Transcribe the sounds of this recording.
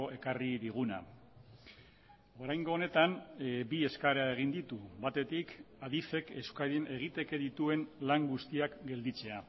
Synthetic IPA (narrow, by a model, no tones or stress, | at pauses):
oʔe̞kariðiɣ̞una̰ | o̞ɾajŋɡo̞ːne̞t̪anbie̞skaɾae̞ɣ̞ind̪it̪uβat̪e̞t̪ik | aðife̞ke̞skaɾenʔe̞ɣ̞it̪e̞ke̞ðit̪ue̞nlaŋɡust̪iakɡe̞ld̪it͡se̞a